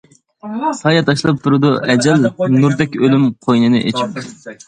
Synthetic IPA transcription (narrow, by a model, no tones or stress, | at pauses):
sɑjɑt̪ʰɑʃlˠɑp̚t̪ʰuɾud̪ɑʔɛd͡ʒɛlnuɾd̪ɛkʲølymqʰojnɨnɨʔet͡ʃʰi̥p̚